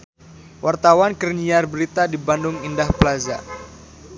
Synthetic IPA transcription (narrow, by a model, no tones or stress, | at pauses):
wʔart̪awankərɲiarbəɾit̪adibandʊŋindahpəlaza̰